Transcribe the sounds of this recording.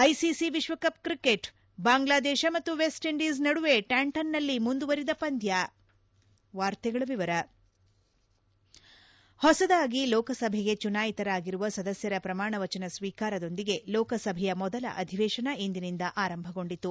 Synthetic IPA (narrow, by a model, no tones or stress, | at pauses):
ɐjsisiʋiʃʋɐkɐp̚kɾikeʈ | baːŋɡlaːd̪ɛːʃɐmɐt̪ːuʋesʈiɳɖiːs̬nɐɽuʋe̞ʈaːɳʈɐnːɐlːimund̪uʋɐɾid̪ɐpɐnd̪ʱja | ʋaːɾt̪ɛɡɐɭɐʋiʋɐɾɐ | hɔsɐd̪aːɡilɔːkɐsɐbʱɛɡe̞t͡ʃunaːjit̪ɐɾaːɡiɾuʋɐsɐd̪ɐsjɐɾɐpɾɐmaːɳɐʋɐt͡ʃɐnɐsʋiːkaːɾɐd̪o̞nd̪iɡe̞lɔːkɐsɐbʱɛjɐmɔd̪ɐlɐ̰ʔɐd̪ʱiʋɛːʃɐnɐind̪inind̪ɐʔaːɾɐmbʱɐɡo̞ɳɖit̪ːu